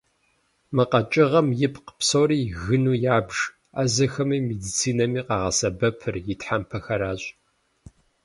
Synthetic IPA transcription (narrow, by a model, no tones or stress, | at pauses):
mɨqɐt͡ʃʼɪʁɐmjɪpʰqə̥psoːɾiːɣɨnuːjaːbʒ | azɐxɐmimedit͡sʰiːnɐmiːqɑːʁɐsɐbɐpʰɨrjɪtħampʰɐxɐɾaːɕʼ